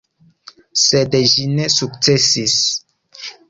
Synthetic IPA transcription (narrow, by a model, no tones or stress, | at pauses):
sedeʒinesuk̚t͡sesis